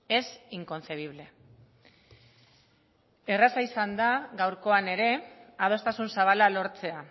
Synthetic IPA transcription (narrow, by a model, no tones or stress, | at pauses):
e̞siŋko̞nse̞β̞iβ̞le̞ | e̞rasaisand̪aɣawɾko̞ane̞ɾe̞aðo̞st̪asunsaβ̞alalo̞ɾt͡se̞a